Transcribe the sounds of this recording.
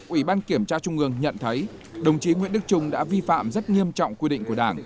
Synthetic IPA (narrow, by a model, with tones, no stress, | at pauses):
ʔwi˧˩ɓaː˧nki˧˩əmt͡ɕaː˧t͡ɕʊ˧ŋ͡mʔɨ˧əŋɲə̰˧˨nt̪ʰə˨˦jɗə˨˩wŋ͡mt͡ɕi˨˦ŋwḭ˧˨ənɗɨ˦˥k̚t͡ɕʊ˧ŋ͡mɗa̰ː˧˥vi˧fa̰ː˧˨mzt̚ŋi˧əmt͡ɕɔ̰˧˨wŋ͡mkwi˧ɗḭ˧˨ŋ̟ku˧˩˨ɗaː˧˩ŋ